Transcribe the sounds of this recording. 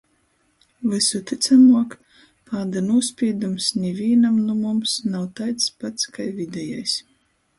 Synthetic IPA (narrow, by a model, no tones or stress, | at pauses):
vɨsut̪it̪samuɔk | paːd̪anuɔspʲiɛd̪umsnʲɛvʲiɛnamnumumsnawt̪ajt̪spat̪skajvʲid̪ʲɛja̰js